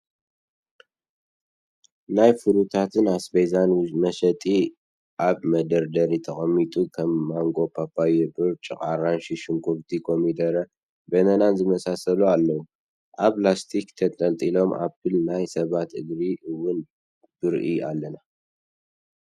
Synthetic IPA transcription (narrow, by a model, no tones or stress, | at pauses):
najfɨɾut̪ʰat̪ʰɨnasbejzanmɐʃɐt̪ʼi | ʔaβmɐd̪ɐɾd̪ɐɾit̪ʰɐχʼɐmːit̪ʼukʰɐmːaŋkʼo̞pʰapːajɛbɨɾt͡ʃʼɨkʼaɾanʃiʃɪŋkʰuɾt̪ʰikʰo̞mid̪ɐɾɐ | bɐnɐnanzɨmɐsasɐlualːɐwu | ʔaβlast̪ʰikt̪ʰɐt̪ʼɐnt̪ʼilo̞mʔa̰pːɨlnajsɐβat̪ɨɡɾiɨwːʊn | b̥ɨɾʔia̰lːɐna